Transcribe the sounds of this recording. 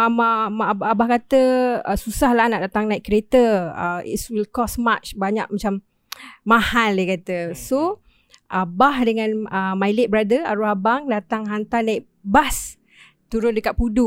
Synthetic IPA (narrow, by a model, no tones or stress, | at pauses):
mamaabahkat̪əəsusahlahnaʔdat̪aŋnaikːɾet̪əə̰ḭswilkɔsmat͡ʃbaɲa̰k̚mat͡ʃam | mahaldakat̪əso | ʔabahdəŋãnəmailet̪̚bəɾadəa̰ɾuɦabaŋdat̪aŋɦant̪anaik̚ | bas | t̪uɾʊndəkat̪̚pudu